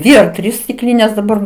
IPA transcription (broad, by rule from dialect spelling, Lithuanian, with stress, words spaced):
ˈdʲʋʲɪ ɐr ˈtʲrʲiːs sʲtʲɪˈklʲiːnʲeːs dɐˈbɐr